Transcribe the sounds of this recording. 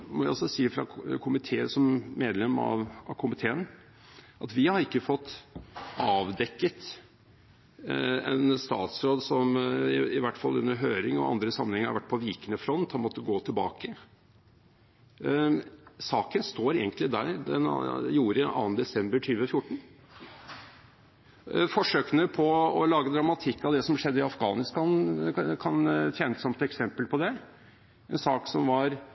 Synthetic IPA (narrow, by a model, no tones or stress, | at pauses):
mɔʋæɔlsɔsiːəfɾɑkʰʊmɪt̪ʰeːəsɔmːeːd̪lɛmɑ̰ʋɑʋkʰʊmɪt̪ʰeːən | ʔɑt̪ʋɪhɑɾɪkːəfɔt̪ː | ɑːʋd̪ɛkːət̪ | ɛ̰nst̪ɑ̰ːt̪sɾoːd̪sɔmɪʋæʈːfɑlʉ̰nːəɾɦøːɾɪŋɔ̰ɑ̰nd̪ɾəsɑmənhɛŋːəɾɑ̰ɾʋæʈ̚ːpʰɔʋiːkənəfɾɔnt̪hɑnmɔt̪ːəɡoːt̪ʰɪlbɑːkə | sɑːkənst̪oːɾḛːɡənt̪lɪd̪æɾd̪ɛn̰juːɾəʔɑ̰ːənd̪ɛsɛmbəɾʈʰyːʋəfjʊʈːɳ̩ | fɔʂøːkənəpʰɔɔlɑːɡəd̪ɾɑmɑt̪ʰɪkːɑʋd̪ɛsɔmʂɛd̪ːəɪɑfɡɑːnɪst̪ɑnkʰɑnt̪ʰjɛːnəsɑmt̪ɛksɛmpəlpʰɔd̪ɛ | ɛnsɑːksɔmʋɑɾ